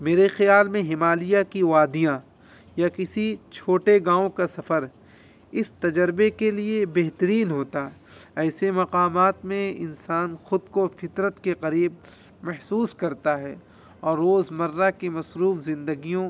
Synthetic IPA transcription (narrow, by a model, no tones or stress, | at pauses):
meːɾexjaːlmẽɦɪmaːlijakiʋaːd̪ijã | jakɪsit͡ʃʰoːʈeɡãːõkasɐfəɾ | ɪst̪ɐd͡ʒəɾbekeliebɛɦt̪əɾiːnɦoːt̪a | ɛːsemɐqaːmaːt̪mẽɪ̰nsaːnxʊd̪kofɪt̪ɾət̪keqɐɾiːb̚ | mɐɦsuːskɐɾt̪aɦɛː | ɔːɾːoːzmɐɾːakimɐsɾuːfzɪ̃nd̪əɡijõ